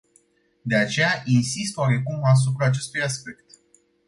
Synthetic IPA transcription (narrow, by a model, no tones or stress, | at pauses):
d̪e̞at͡ʃe̞jaʔinsist̪owaɾe̞kumas̬upɾaːt͡ʃe̞st̪ujaspe̞kt̪